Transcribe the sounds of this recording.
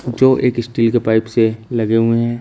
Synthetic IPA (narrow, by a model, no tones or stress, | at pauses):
d͡ʒoːʔeːkɪsʈiːlkepaːɪpselɐɡeɦʊeɦɛ̃ː